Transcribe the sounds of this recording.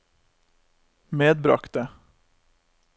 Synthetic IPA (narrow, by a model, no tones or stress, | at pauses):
meːd̪̚bɾɑ̰kt̪̚d̪e